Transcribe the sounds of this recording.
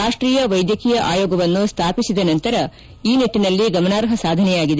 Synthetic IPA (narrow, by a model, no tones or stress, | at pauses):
aːʂʈɾiːjɐʋɐjd̪jɐkiːjɐʔaːjɔːɡɐʋɐnːust̪ʰaːpisid̪ɐnɐnt̪ɐɾɐ | iːniʈːinɐlːiɡɐmɐnaːɾɦɐsaːd̪ʱɐnɛjaːɡid̪e